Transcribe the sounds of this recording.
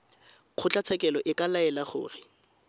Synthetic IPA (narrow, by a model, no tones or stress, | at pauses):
q͡χʰʊt͡ɬʼat͡sʰɛkʼɛlɔʔɪkʼalaɛlaχʊ̰ːrɪ